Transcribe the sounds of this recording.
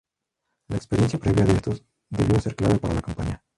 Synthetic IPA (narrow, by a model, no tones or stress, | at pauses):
laekspeɾjenθjapɾeβjaðeest̪os | d̪e̞βjose̞ɾklaβepaɾa̰lakampaɲa